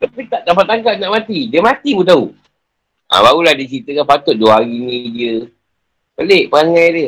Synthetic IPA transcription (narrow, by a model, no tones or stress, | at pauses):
lapit̪aʔdapat̪aŋkat̪̚naʔmat̪idiəmat̪ibut̪̬au | ʔã̰baɣulahdit͡ʃit̪əkanpat̪ʊt̪̚duəaɣinĩdiə | bəleʔpəaŋajdiə